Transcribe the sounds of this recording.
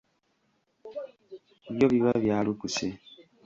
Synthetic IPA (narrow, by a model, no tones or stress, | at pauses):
iβjoβiβaβjaːlukuse